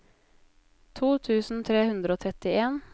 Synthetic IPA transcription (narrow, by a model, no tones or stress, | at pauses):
t̪ʰuːt̪ʰʉːsn̩t̪ʰɾeːhʉnd̪ɾəoːt̪ʰɾɛt̪ɪeːn